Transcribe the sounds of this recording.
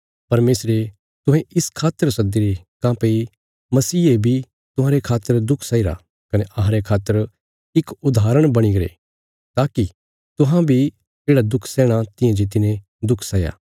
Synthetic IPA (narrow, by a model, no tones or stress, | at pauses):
pɐɾmeːsɾe | t̪ʊ̃ɦɛ̃ɪskʰaːt̪ːəɾsɐd̪iɾe | kãːpei | mɐsiːebʱi | t̪ʊɦãɾekʰaːt̪ːəɾd̪ʊkʰsaːiɾa̰ | kɐneʔɐɦãɾekʰaːt̪ːəɾ | ɪkʊd̪aːɾəɽ̃bɐɽ̃iɡɐɾḛ | t̪aːki | t̪ʊɦãbʱi | d͡ʒeːɽad̪ʊkʰsɛːɽ̃at̪ɪjãd͡ʒɪt̪̬ine | d̪ʊkʰsaːja̰ː